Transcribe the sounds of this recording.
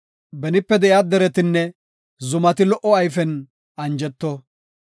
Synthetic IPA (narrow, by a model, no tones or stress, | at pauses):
bɛnɪpːɛd̪ɛʔjad̪ɛɾɛt̪ɪnːɛ | zʊmɐt̪ɪlɔʔɔɐjfɛn | ɐnd͡ʒɛt̪ːɔ